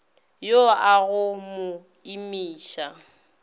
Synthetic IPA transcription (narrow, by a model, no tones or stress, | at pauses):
joaɣʊmʊ | imiːʃa